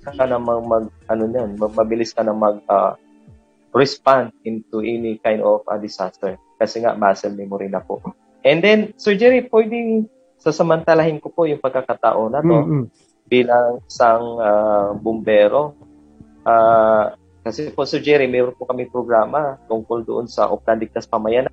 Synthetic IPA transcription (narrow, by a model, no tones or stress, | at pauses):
kɐnɐŋmɐŋmɐɡ̚ʔɐnoɲonmɐmɐbɪlɪskɐnɐŋmɐɡ̚a̰ | ɹɛspand̪̚ʔɪnt̪uʔɛnikajnd̪ofɐ̰d̪ɪsast̪ɛɹ | kɐsɛŋa̰ʔmbaːsɛlmɛmoɾɪnɐpo̰ʔ | ʔɛnd̪ɛnsɛɹd͡ʒɛɾipwɛjd̪ɪŋ | sɐsɐmɐnt̪ɐlahɪnkopo̞jʊŋpɐɡ̚kaɡkat̪a̰ʔo̞nːɐt̪o̞ | b̥iːlɐŋɪsaŋabʊmbɛːɾo̞ | ʔaː | kɐsɛpoʔsɛɹd͡ʒɛɾimɛːɾonpʊkɐmɪŋpɾoɡɾaːmɐt̪ʊŋkold̪ʊ̰ʔonsɐ̰ʔop̚land̪ɪk̚t̪ɐspɐmɐjan